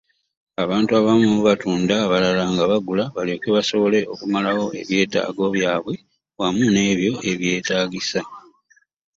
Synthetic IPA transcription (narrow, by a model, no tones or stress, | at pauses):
aβaːntuaβamuuβatuːndaβalalaŋɡaβaɡulaβalekeβaso̞βo̞le̞ʔo̞kumalawo̞e̞̰βje̞ːta̰ːɡo̞βjaːβwe̞ | wamune̞ːβjo̞e̞βje̞ːtaːɡisa